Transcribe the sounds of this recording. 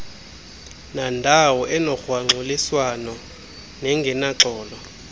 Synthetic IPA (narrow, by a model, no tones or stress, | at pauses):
nandʱawɔʔɛnɔxwaŋ͡ǀʱuliswanɔ | nɛŋɡʱɛnaǁʱɔːlɔ